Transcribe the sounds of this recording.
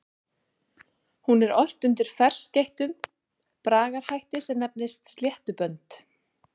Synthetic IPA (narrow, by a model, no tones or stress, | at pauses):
hunɛɾɔr̥t̪ʏnt̪ɪɾ̥fɛr̥scejht̪ʏm | pɾaːɣaɾ̥hajht̪ɪsɛmnɛp̚nɪst̪st̪ljɛht̪ʏpœnt̪